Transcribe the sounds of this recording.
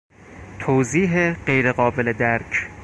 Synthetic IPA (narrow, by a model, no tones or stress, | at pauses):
t̪ʰoːziːɦeɢejɾeɢɒːbe̞led̪æɾcʰ